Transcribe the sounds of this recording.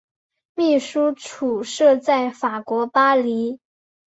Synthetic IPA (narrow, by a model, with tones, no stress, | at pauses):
mi˥˩ʂu˥ʈ͡ʂʰu˨˩ʂɤ˥˧t͡sa˥˩ɪfa˨˩kwɔ˧˥pa˥li˧˥